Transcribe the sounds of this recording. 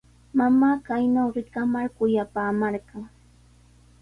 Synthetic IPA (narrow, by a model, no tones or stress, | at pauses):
mamaːkajnawɾɪkamaɾkʊjapaːmaɾɢɑŋ